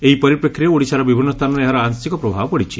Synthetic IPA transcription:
eɦipɔɾipɾekʰːɾieoɽisaɾɔbibʱinːɔst̪ʰanɔɾeeɦaɾɔansikɔpɾɔbʱabɔpɔɽit͡ʃʰi̥

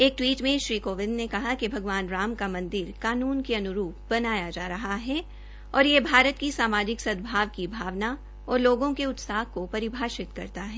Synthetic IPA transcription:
eːk̚ʈwiːʈmẽʃɾiːkoːʋɪ̃nd̪nekɐɦakibʱɐɡʋaːnɾaːmkamɐ̃nd̪ɪɾkaːnuːnkeɐnʊɾuːp̚bɐnaːjad͡ʒaːɾɐɦaɦɛ | ɔːɾjebʱaːɾət̪kisaːmaːd͡ʒɪksɐd̪bʱaːʋkibʱaːʋna | ɔːɾloːɡõkeʊt̪saːɦkopɐɾɪbʱaːʃɪt̪kɐ̰ɾt̪aɦɛː

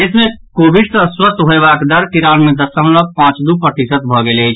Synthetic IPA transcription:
esmẽkobiɖsəswət̪ɦoebakd̪əɾkiɾanmed̪əsəmləpãt͡ʃd̪upəʈ̪isət̪̚bʱɔɡelejt͡ʃʰ

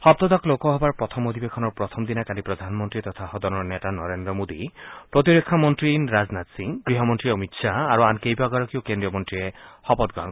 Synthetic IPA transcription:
hɔb̚t̪ɔd̪ɔklokɔɦɔbaɹpɹɔt̪ʰɔmod̪ʱibekʰɔnɔɹpɹɔt̪ʰɔmd̪inakalipɾɔd̪ʱanmɔnt̪ɾit̪ɔt̪ʰahɔd̪ɔnɔɹnetanɔɾend̪ɾɔmod̪ipɾɔt̪iɾekʰːamɔnt̪ɾinɾaznat̪siŋbɾiɦɔmɔnt̪ɾiɔmitʃʰaːɾuankejbʱaɡɔɹɔkiokendɹiɔmɔnt̪ɾiehɔbɔt̪̚ɡa̰n

